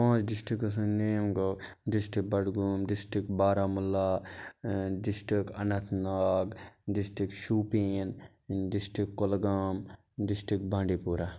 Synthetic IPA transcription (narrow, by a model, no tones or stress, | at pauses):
pãːt͡ʃɖɪsʈikɐs̬ɐ̃neːmɡo | ɖɪsʈik̚bɐɽɡuːmɖɪsʈikbaːɾaːmulːaː | ɖɪsʈikɐnɐt̪ʰnaːɡɖɪsʈikʃuːpiːn | ɖɪsʈikːolɡaːm | ɖɪsʈikbãːɳɖiːpuːɾaː